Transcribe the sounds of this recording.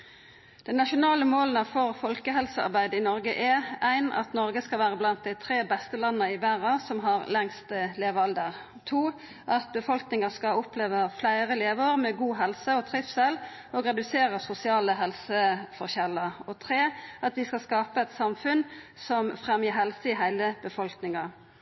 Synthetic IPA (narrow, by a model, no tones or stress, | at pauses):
d̪̥ɛnnɑʃʊnɑːləmoːlənɑfɔʁfɔlkəɦɛlsəɑ̰ʁbæɪd̪əɪnɔʁɡəʔɛæɪnɑ̰t̪nɔʁɡəskɑlʋæːʁəblɑnt̪̚d̪æɪt̪ʰʁeːbɛst̪əlɑnːəɪbæʁɑsɔmɦɑʁlɛŋst̪əleːʋɑld̪əʁ | t̪ʰuː | ʔɑt̪̚bəfɔlknɪŋɑskɑɔpleːʋəflæɪʁəleːʋəːʁmɛɡuːɦɛlsəɔt̪ʰʁɪfsɛl | ɔɡʁɛd̪ʉseːʁəsʊsɪɑːləɦɛlsəfɔʁçɛlːəɔt̪ʰʁeːɑt̪ʋɪskɑskɑːpəɛt̪sɑmfʉnsɔmfʁɛmjəɦɛlsəɪɦæɪləb̥əfɔlknɪŋɑ